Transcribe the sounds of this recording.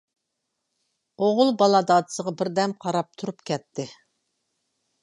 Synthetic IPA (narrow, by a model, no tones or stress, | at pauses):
oʁʊlˠbɑlˠɑd̪ɑːd̪ɨ̥səʁɑbɪɾd̪ɛmqʰɑɾɑp̚t̪ʰuɾupkʲʰɛt̪ʰːɪ